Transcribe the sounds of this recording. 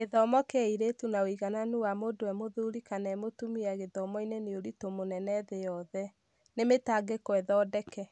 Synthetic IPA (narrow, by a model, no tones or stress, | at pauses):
ɣeðɔmɔkeiɾetunaoiɣananuwamodoɛmoðuɾikanɛmotumiɛɣeðɔmɔineneoɾitomonɛnɛðejɔðɛ | nemetaɡekwɛðɔdɛkɛ